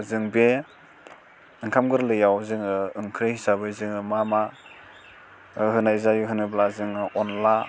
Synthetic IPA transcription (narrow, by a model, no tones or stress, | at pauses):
zɯŋbe | ɯŋkʰamɡɯɾlɯjawzɯŋɯɯŋkʰɾɯhsabɯjzɯŋɯmama | ɦɯnaizaɡɯɦɯnɯblazɯŋɯɔnla